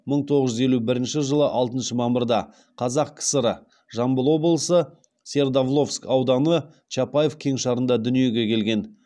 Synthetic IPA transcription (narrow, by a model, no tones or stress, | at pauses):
məɴt̪ʰo̞ʁəzʒʏze̞lubɪɾɪnʃɪʒəlˠəʔɑlˠt̪ənʃəmɑməɾd̪ɑ | qʰɑzɑq̚kʲʰɪ̥səɾə | ʒɑmbəlˠo̞blˠəsə | sʲe̞rd̪ovlˠo̞fskɑwd̪ɑnə | t͡ʃʰɑpajefkʲʰe̞ŋʃɑɾənd̪ɑd̪ʏnije̞ɡʲe̞kʲʰe̞lɡʲe̞n